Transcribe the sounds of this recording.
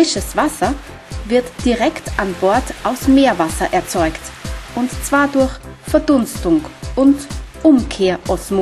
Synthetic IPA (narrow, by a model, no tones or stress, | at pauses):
ɪʃəsv̥asɐ | vɪɐtd̥iʁɛktʔanbɔɐtʔaʊsmeːɐvasɐʔɛɐt͡sɔʏktʔʊntt͡sv̥aːɐdʊɐçfɛɐdʊnstʊŋʔʊntʔʊmkʰeːɐʔɔsmo